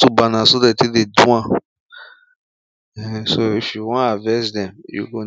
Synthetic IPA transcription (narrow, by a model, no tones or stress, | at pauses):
tubanãsodɛtidedũã | ɛ̃soifiwɔ̃avɛsdɛ̃mjṵɡo